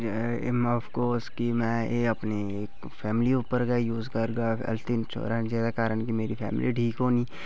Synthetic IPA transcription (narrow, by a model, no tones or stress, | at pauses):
mɔfkoːɾskimɛ̃eːɐpne | eːk | pʰɛːmɪliʊpəɾɡajuːzkɐɾɡaɛ̰lt̪int͡ʃʰo̰ːɾand͡ʒɛːsakaːɾəɳkimeːɾipʰɛ̰ːmliɖʱiːkɦoːniː